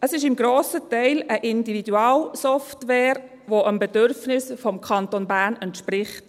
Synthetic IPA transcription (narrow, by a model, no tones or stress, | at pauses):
ʔəsɪʃɪmɡɾoːsətaɪləʔɪndividuaːlsɔftʋɛːɾ | ʋoʔəmbɛdøɾfnɪsfɔmkʰɑntonbæːɾnɛntʃpɾɪχt